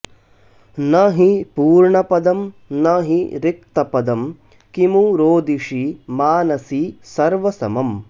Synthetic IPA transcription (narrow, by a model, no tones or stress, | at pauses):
nɐɦipuːɾɳɐpɐd̪ɐmnɐɦiɾik̚t̪ɐpɐd̪ɐm | kimuɾoːd̪iʂimaːnɐsisɐɾʋɐsɐ̰mɐm